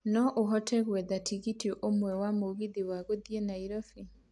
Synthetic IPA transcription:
nɔʔoɦɔtʰɛɣwɛðatʰiɣitʔomwɛwamoɣiðiwaɣoðjenaiɾɔfi

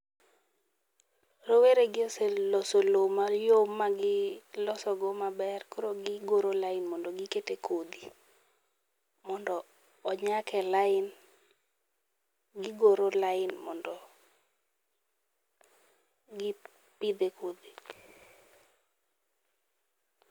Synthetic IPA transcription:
roweɾeɡɪoselɔsolomajomːaɡɪlɔsɔɡɔmabɛrkoɾoɡɪɡoɾolaɪnmɔndɔɡɪketekʰod̪i | mɔndɔː | ɲakɛlaɪn | ɡɪɡoɾolaɪnmɔndɔ | ɡɪ | pid̪ekod̪i

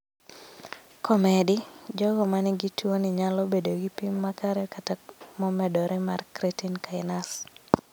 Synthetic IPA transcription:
kʰɔmɛdɪd͡ʒɔɡɔmanɪɡitwonɪɲalɔbedoɡipimːakaɾɛkatamɔmɛdɔɾʔɛmarkɾetinkaɪnas

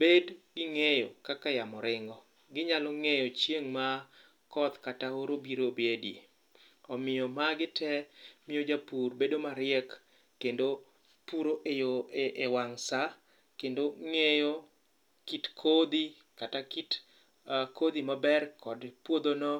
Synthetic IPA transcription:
bedɡɪŋejokakajamɔɾɪŋɡɔ | ɡɪɲalɔŋejɔt͡ʃjeŋma | kɔt̪kataoɾobiɾobjedḭ | ɔmɪjɔmaɡɪtʰɛmɪjod͡ʒapurbedomaɾɪɛkː | endo | puɾoʔejoʔewaŋsa | kendoŋejo | kitkʰod̪i | katakit | kod̪imabɛrkʰɔdpwod̪onɔ

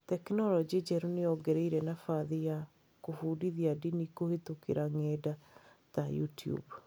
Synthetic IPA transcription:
tɛknɔlɔd͡ʒid͡ʒɛɾuneɔɡɛɾɛiɾɛnafaðija | kofuːdiðiadinikohetukeɾaŋɛdatajṵtiṵb

